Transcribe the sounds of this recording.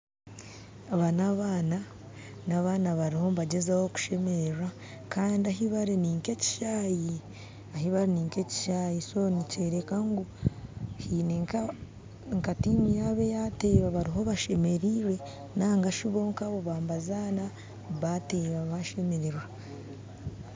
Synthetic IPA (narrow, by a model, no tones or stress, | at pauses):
aβanaβaːna | naβanaβaɾiho̞βaɟezawoku̥ʃe̞meɾeɾwa | kaːndiaɦiβaɾiniːŋke̞ci̥ʃaːji | aɦiβaɾiniːŋke̞ci̥ʃaːjiso̞nice̞ɾekaŋɡu | hinek | ŋkatimijaβe̞jate̞ːβaβaɾiɦo̞βaʃe̞me̞ɾiːɾe̞ | naːŋɡaʃiβo̞ːŋkaβoβaːmbazana | βateːβaβaʃe̞meɾeɾwa